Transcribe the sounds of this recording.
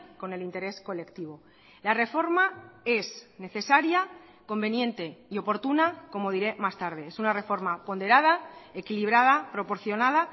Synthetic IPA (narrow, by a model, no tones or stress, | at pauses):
ko̞ne̞lint̪e̞ɾe̞sko̞le̞kt̪iβ̞o̞ | lare̞fo̞ɾmae̞sne̞θe̞saɾja | ko̞mbe̞njẽ̞nt̪e̞io̞po̞ɾt̪unako̞mo̞ðiɾe̞mast̪aɾð̞e̞esunare̞fo̞ɾmapo̞nd̪e̞ɾað̞ae̞kiliβ̞ɾað̞apɾo̞po̞ɾθjo̞nað̞a